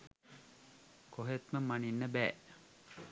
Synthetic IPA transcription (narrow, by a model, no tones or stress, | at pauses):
koɦet̪məmaninːəbæː